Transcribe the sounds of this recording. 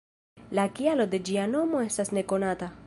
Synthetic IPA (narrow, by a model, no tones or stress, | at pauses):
lakialo̞d̪e̞d͡ʒiano̞mo̞est̪asne̞konat̪a